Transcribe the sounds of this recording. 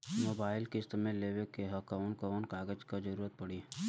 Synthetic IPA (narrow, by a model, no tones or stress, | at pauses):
moːbaːɪlkest̪əmẽleːʋekeɦɐkaʊnkənkaːɡəd͡ʒkad͡ʒəɾuːɾət̪̚pɐɽi